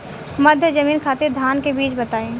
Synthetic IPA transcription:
mɐd̪ʱjəd͡ʒɐmiːnkʰaːt̪ed̪ʱaːnkebiːt͡ʃbɐt̪aːẽː

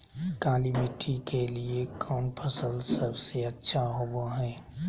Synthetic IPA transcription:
kaːlimeʈʰikeliekʰɔːnpʰəsəlsəbseətːʃʰaɦoboɦɛː

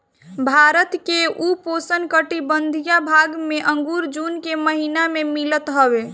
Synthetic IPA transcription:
bʱaɾət̪keuposənkəʈibənd̪ʱijabʱaɡmeʔə̃ŋɡuɾd͡ʒunkeməɦinamemilət̪ɦəbe

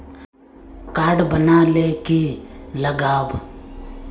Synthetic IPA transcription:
kaːɾɖbənaleːkeləɡaːb

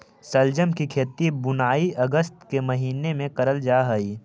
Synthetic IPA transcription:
səld͡ʒəmkikʰeːt̪ibʊnaːiɐɡəst̪kemɐɦiːnemẽkɐɾəld͡ʒaːɦəiː

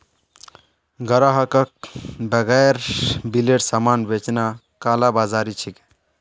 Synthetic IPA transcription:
ɡəɾaɦəkək̚bəɡɛɾbileʈsamanbet͡ʃna | kaːlabazaɾit͡ʃʰik

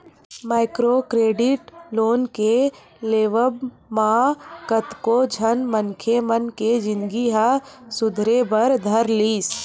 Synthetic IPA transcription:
maːɪkɾokɾeːɖɪʈloːnke | leːʋəb | makət̪kod͡ʒʱənmənkʰemənked͡ʒɪ̃nd̪ɡiɦəsʊd̪ʱɾebəɾd̪ʱəɾliːs

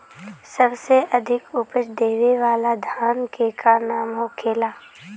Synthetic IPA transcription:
səbseɐd̪ʱɪkʊpət͡ʃd̪eːʋeʋaːlad̪ʱaːnkekʰanaːmɦokʰeːlaː

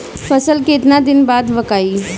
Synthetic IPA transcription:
fʰəsəlket̪nad̪ɪnbaːd̪ʋɐkaːi

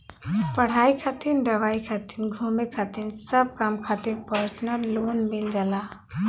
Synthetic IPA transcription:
pəɽ̤aikʰat̪ind̪əʋaikʰat̪inɡʱumekʰat̪insəb̚kamkʰat̪iɾpəɾsnəlːonmild͡ʒala

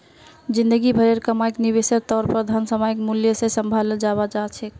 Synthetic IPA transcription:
d͡ʒĩnd̪əɡibʱəɾeɾkəmajkniβesəɾt̪ɔɾpəɾd̪ʱansəmajkmuljəsesəmbʱaləld͡ʒabad͡ʒat͡ʃʰɛ

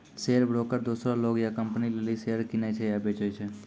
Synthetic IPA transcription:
seəɾbɾoːkəɾd̪uːsɾaloːɡjakəmpnilelisejəɾkɪnet͡ʃʰejabet͡ʃojt͡ʃʰe

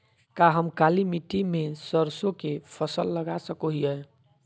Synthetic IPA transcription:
kaɦəmkalimiʈimesəɾsõkepʰəsəlːəɡasəkoɦiɛ

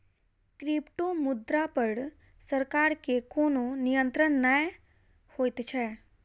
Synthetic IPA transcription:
kɾɪpʈomʊd̪ɾapəɽ | səɾkaːɾkekoːnonijə̃nt̪ɾənːəj | hoːjt̪t͡ʃʰɛː

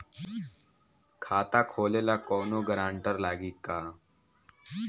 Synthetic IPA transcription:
kʰaːt̪akʰoːleːlakɔːnoɡəɾãːɳʈəɾlaːɡiːkaː

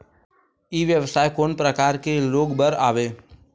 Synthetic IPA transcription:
iːʋjəʋsaːjkoːnpɾəkaːɾkeloːɡbəɾa̰ːʋeː

